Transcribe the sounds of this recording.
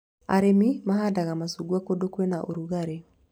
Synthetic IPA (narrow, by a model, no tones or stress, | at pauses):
a̰ɾemimaɦadaɣamasuɡuakodokwɛnaʔoɾuɣaɾe